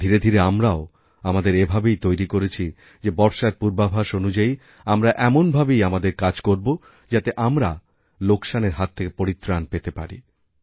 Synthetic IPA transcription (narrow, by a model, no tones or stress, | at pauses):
d̪ʱiɾed̪ʱiɾeamɾao | amad̪eɾebʱabejt̪ojɾikoɾet͡ɕʰi | d͡ʑebɔɾʃaɾpuɾbabʱaʃonud͡ʑai | amɾaʔɛmonbʱabejamad̪eɾkad͡ʑkoɾbo | d͡ʑat̪eʔamɾa | lokʃaneɾɦat̪ʰːekepoɾit̪ːɾanpet̪epaɾḭ